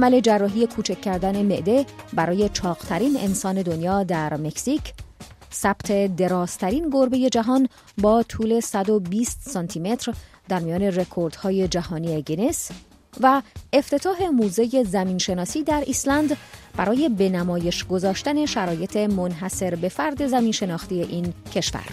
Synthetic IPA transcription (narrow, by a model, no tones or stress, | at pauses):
ʔæmæle̞d͡ʒærːɒːɦije̞kʰuːt͡ʃʰecʰːæɾd̪æne̞me̞ʔd̪e̞bæɾɒːje̞t͡ʃʰɒːɣt̪ʰæɾiːne̞̰nsɒːne̞d̪onjɒːd̪æɾme̞csicʰ | sæb̥t̪ʰe̞d̪e̞ɾɒːz̥t̪ʰæɾiːnɡo̞ɾbe̞je̞d͡ʒæɦɒːn | bɒːt̪ʰuːle̞sæd̪o̞biːst̪sɒnt̪ʰime̞t̪ʰɾ | d̪æɾmijɒːne̞re̞kʰoɾd̪̥hɒːje̞d͡ʒæhɒːniːeɡene̞s | væe̞ft̪ʰe̞t̪ʰɒːɦe̞muːze̞je̞zæmiːnʃe̞nɒːsiːd̪æɾʔislænd̪b̥æɾɒːje̞be̞næmɒːje̞ʃɡo̞zɒːʃt̪æne̞ʃæɾɒːje̞t̪ʰemonɦæse̞ɾbe̞fæɾd̪e̞zæmiːnʃe̞nɒːxt̪ije̞ʔiːncʰe̞ʃvæ̰ɾ